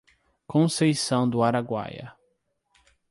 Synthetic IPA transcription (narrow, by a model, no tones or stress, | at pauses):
kõsejsɐ̃w̃d̪ʊaɾaɡwa̰jɐ̰